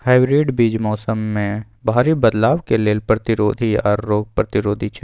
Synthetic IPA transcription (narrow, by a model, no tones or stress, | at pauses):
haːɪbɾiːɖbiːd͡ʒmɔːsəmːẽ | bʱaːɾibɐd̪laːʋkeleːlpɾɐt̪ɪɾoːd̪ʱiɔ̰ɾːoːɡ̚pɾɐt̪ɪɾoːd̪ʱit͡ʃʰɛ